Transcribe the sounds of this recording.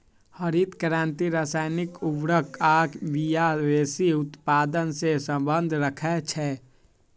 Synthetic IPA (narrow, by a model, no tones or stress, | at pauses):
həɾit̪kɾãːnt̪iɾaːsaːɪnɪkʊʋɾəkaːkʋijaʋeːsiʊt̪paːd̪ənsesə̃mbə̃nd̪ʱɾəkʰɛt͡ʃʰɛ